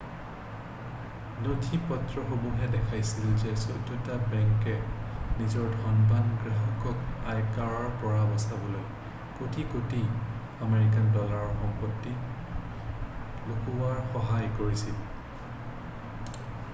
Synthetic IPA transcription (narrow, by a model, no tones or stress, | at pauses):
notʰipɔtɹɔxobuɦɛdɛkʰajsilzɛsotːutabɛŋkɛnizɔɹdʱɔnbanɡɹaɦɔkɔkajkaɹaɹpɔɹabɔsabɔloj | kotʰikoti | ameɹik̬andɔlaɹxɔmpɔtːi | lokuwaɹxɔɦajkoɹisil